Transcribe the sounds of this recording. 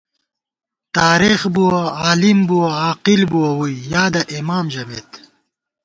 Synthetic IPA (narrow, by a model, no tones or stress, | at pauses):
t̪aːɾixbuwaaːlimbuwɐaːqilbuwɐwujjaːd̪ɐʔimaːmʑɐmet̪